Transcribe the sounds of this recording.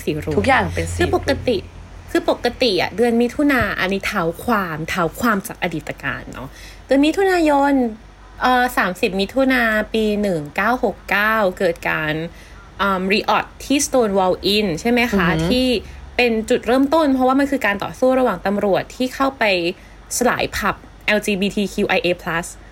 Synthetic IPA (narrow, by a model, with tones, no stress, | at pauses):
siː˨˩˦ɾuː˦u˦˥kjaː˨˩ŋpe˧nʰɯː˧po˨˩kːa˧t̪i˨˩ | kʰɯː˧po˨˩kːa˧t̪i˨˩ʔa̰˨˩dɯ˧ənmi˦˥t̪ʰːu˧naː˧ʔa̰˧ni˦˥t̪ʰaː˨˦wkʰwaː˧mt̪ʰaː˦wkʰwaː˧mt͡ɕaː˨˩k̚ʔa˧diː˨˩t̪ːa˧ka̰ː˧nːɔ̰˦˥ | d̥ɯ˧ənmi˦˥t̪ʰːu˧naː˧jo˧n | ʔəː˨˩saː˩˦msi˨˩p̚mi˦˥t̪ʰu˧naː˧piː˧nɯ˨˩ŋkaː˥˩who˨˩kːaː˥˩wkɤː˨˩t̪̚ka̰ː˧n | ʔəː˧˩mɾi˧ʔɔ˨˩t̪ʰːiː˥˩st̪oː˧nwɔ˧wʔi˧˥˩nt͡ɕʰa˥˩jma˦˥jkʰa˦˥t̪ʰiː˥˩pe˧nt͡ɕu˨˩t̪̚ɾɤː˥˩mt̪o˥˩npʰɾɔ˦˥waː˥˩ma˧nkʰɯː˧kaː˧nt̪ɔ̰ː˨˩suː˥˩ɾa˧waː˨˩ŋt̪a˧mɾu˨˩ət̪ʰːiː˥˩kʰa˥˩wpa˧j | sa˧la̰ː˩˦jpʰa˨˩p̚ | ʔɛː˧wt͡ɕiː˧biː˧t̪ʰiː˧kʰiː˧ʔa˧jʔeː˧pʰla˦˥s